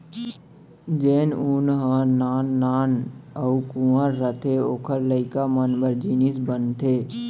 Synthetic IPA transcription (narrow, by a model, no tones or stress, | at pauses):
d͡ʒeːnunɦənaːnːaːnəukũəɾːət̪ʰeoːkʰəɾləɪkamənbəɾd͡ʒinisbənt̪ʰeː